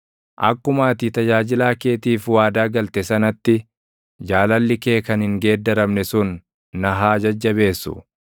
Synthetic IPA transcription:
ʔɐ̰kːʊmaːt̪it̪ɐd͡ʒaːd͡ʒɪlaːke̞ːt̪iːfwaːd̪aːɡɐlt̪ɛsɐnɐt̪ːɪ | d͡ʒaːlɐlːɪke̞ːkɐnhɪŋɡe̞ːd̪ːɐɾɐmnɛsʊnː | ɐɦaːd͡ʒɐd͡ʒːɐβe̞ːsːʊ̰

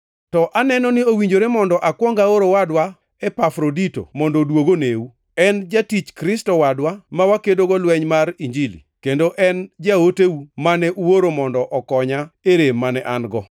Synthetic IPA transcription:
tɔʔanɛnɔnɪowiɲd͡ʒoɾemɔndɔʔakwɔŋɡaoɾowadwa | ɛpafɾodito̰mɔndɔdwoɡoneu | ɛnd͡ʒatit͡ʃkɾɪstɔwadwamawakedoɡɔlwɛɲmaɾiɲd͡ʒilḭkendoʔɛnd͡ʒaoteumanɛʔuwoɾomɔndɔʔɔkɔɲaeɾemːanɛʔanɡɔ

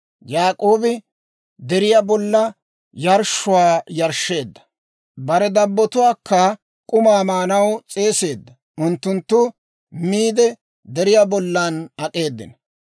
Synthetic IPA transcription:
jaːkʼo̞ːbɪ | d̪ɛɾɪjaːbɔlːɐ | jɐɾʃʊwaːjɐɾʃːe̞ːd̪ːɐ̥ | bɐɾɛd̪ɐbːɔt̪ʊwaːkːɐ | kʼʊmaːmaːnɐwt͡sʼe̞ːse̞ːd̪ːɐ | ʊnt̪ːʊnt̪ːʊ | miːd̪ɛ | d̪ɛɾɪjaːbɔlːanɐkʼe̞ːd̪ːɪ̰nɐ

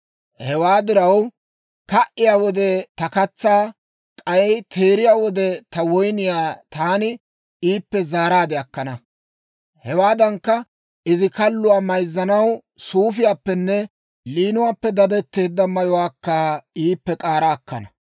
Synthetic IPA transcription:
hɛwaːd̪ɪɾɐw | kɐʔɪjaːwɔd̪ɛt̪ɐkɐt͡sːaː | kʼɐjɛjt̪ʰe̞ːɾɪjaːwɔd̪ɛt̪ɐwɔjnɪjaːt̪aːnɪ | iːpːɛzaːɾaːd̪ɪɐkːɐnɐ | hɛwaːd̪ɐŋkːɐ | ɪzɪkɐlːʊwaːmɐjzːɐnɐw | suːfɪjaːpːɛnːɛ | liːnʊwaːpːɛd̪ɐd̪ɛt̪ːe̞ːd̪ːɐmɐjɔwaːkːaiːpːɛkʼaːɾaːkːɐnɐ

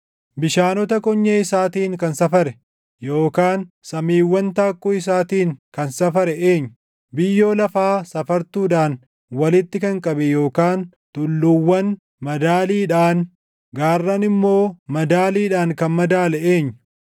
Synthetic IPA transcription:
bɪʃaːnɔt̪ɐkɔɲːɐɪsaːt̪iːŋkɐnsɐfɐɾɛ | jo̞ːkaːnsɐmiːwːɐnt̪aːkːʊɪs̬aːt̪iːŋkɐnsɐfɐɾɛeːɲːʊ̥ | bɪjːo̞ːlɐfaːsɐfɐɾt̪uːᶑaːn | wɐlɪt̪ːɪkɐŋkʼɐbɛjo̞ːkaːn | t̪ʊlːʊwːɐn | mɐd̪aːliːᶑaːn | ɡaːrːɐnɪmːo̞ːmɐd̪aːliːᶑaːŋkɐnmɐd̪aːlɛeːɲːʊ

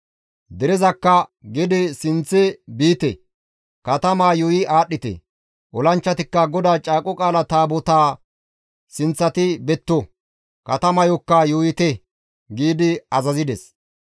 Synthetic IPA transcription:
d̪ɛɾɛzɐkːɐɡɪd̪ɪsɪnt͡sːɛbiːt̪ɛ̰ | kɐt̪ɐmaːjɔjɪʔaːɗːɪt̪ɛ̰ | ʔɔlɐnt͡ʃːɐt̪ɪkːɐɡɔd̪aːt͡ʃʼaːkʼːɔkʼaːlɐt̪aːbɔt̪aː | sɪnt͡sːɐt̪ɪbɛt̪ːɔ | kɐt̪ɐmɐjɔkːɐjɔjɪt̪ɛ | ɡiːd̪ɪɐzɐzɪd̪ɛs

